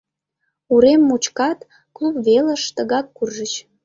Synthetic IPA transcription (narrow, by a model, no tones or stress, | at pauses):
uɾemːut͡ɕkɑt̪ | klupβeləʃt̪əɣɑkːurʒət͡ɕ